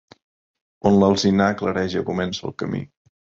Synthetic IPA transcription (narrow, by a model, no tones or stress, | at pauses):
onləlˠzinaːkləɾɛʒəkumɛnsə̰lˠkəmḭ